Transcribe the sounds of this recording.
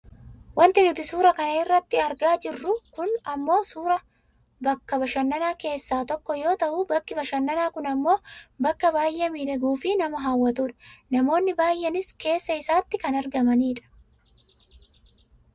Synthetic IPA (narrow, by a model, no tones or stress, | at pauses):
wɐnt̪ɪnʊt̪ɪsuːɾɐkɐnɐɪrːɐt̪ːɪɐɾɡaːd͡ʒɪrːʊkʊnɐmːo̞ːsuːɾɐ | bɐkːɐbɐʃɐnːɐnaːke̞ːsːaːt̪ɔkːɔjo̞ːt̪ɐʔubɐkːɪbɐʃɐnːɐnaːkʊnɐmːo̞ːbɐkːɐbaːjːɛmiːᶑɐɡuːfɪnɐmɐɦaːwːɐt̪uːᶑɐ̥nɐmo̞ːnːɪbaːjːɛnɪske̞ːsːɐɪsaːt̪ːɪkɐnɐɾɡɐmɐniːᶑɐ̥